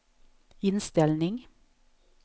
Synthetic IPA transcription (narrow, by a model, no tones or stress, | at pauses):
ɪnst̪ɪlnɪŋ